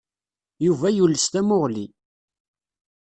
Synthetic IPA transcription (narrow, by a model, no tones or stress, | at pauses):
juvæjulːəst̪æmʊʁli